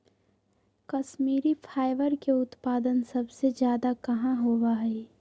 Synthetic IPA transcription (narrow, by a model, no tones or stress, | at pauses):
kɐʃmiːɾifʰaːɪʋəɾkeʊt̪paːd̪ənsɐbsed͡ʒjaːd̪akɐɦãɦoːwaɦɛ